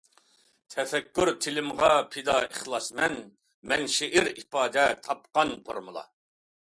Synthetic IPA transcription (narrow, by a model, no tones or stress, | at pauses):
t̪ʰɛfɛkʲːyɾt̪ʰɪlɪmʁɑpʰɪd̪ɑəχlˠɑsmɛn | mɛnʃɪʔɪɾipɑːd̪ɛt̪ʰɑp̚qɑnpʰo̰ɾmɨlˠɑ̰